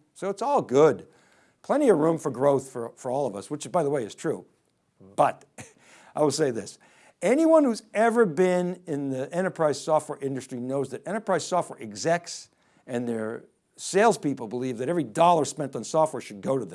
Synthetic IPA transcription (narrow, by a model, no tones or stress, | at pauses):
soʊətsɔlˠɡʊd̚ | pʰl̥ɛ̃ɾ̃iʌvɹũɱfə˞ɡɹoʊθfə˞fə˞ɔlˠʌvʌ̰swət͡ʃɨzbaɪðəweɪɨz̥tʰɹ̥u | b̥ʌɾ | aɪwəlˠseɪðɪs | ɛniwʌ̃nhuzɛvə˞bɪ̃nɪ̃nðiɛ̃ɾ̃ə˞pʰɹ̥aɪz̥sɔft̚wɛɹʔɪ̃ndɨstɹ̥inoʊzðɨɾɛ̃ɾ̃ə˞pʰɹ̥aɪz̥sɔft̚wɛ̰ɹʔɨɡzɛk̚ts | ɨ̃nðə˞ | seɪlˠz̥pipl̩ˠbəlivðɨɾɛvɹidɔlˠə˞spɛ̃ntn̩sɔft̚wɛɹʃɨd̚ɡoʊɾɨð̃